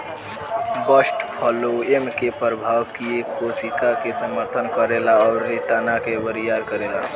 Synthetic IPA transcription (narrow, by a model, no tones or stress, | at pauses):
bəsʈpʰɔloemkepɾəbʱaʋkiekkosikakesəməɾt̪ʰənkəɾelaɔːɾːit̪anakebəɾijaɾkəɾela̰